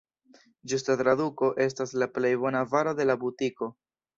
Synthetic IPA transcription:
d͡ʒustat̪ɾaduko̞ʔe̞s̬taslaple̞jbo̞navaɾod̪e̞labutiko̞

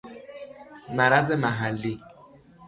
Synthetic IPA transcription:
maɾazemaɦalːi

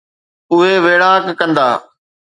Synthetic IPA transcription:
ʊɦeʋeːɽaːkːə̃nd̪aː

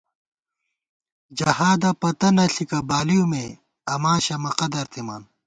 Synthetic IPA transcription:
d͡ʑɐhaːd̪ɐpɐt̪ɐnɐɬikɐbaːlijume | ɐmaːɕɐmɐqɐd̪ɐɾt̪ʰima̰ːn

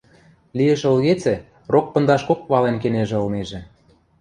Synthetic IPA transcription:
lijĕʃə̆lɣet͡sĕ | rok̚pə̆nd̪ɑʃkok̚βɑlenk̬eneʒĕɤ̆lneʒĕ

